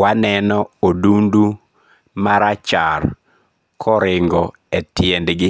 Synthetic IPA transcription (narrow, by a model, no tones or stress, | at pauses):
wanɛnɔodundu | maɾat͡ʃar | kʰɔɾɪŋɡɔ | ɛtjɛndɡɪ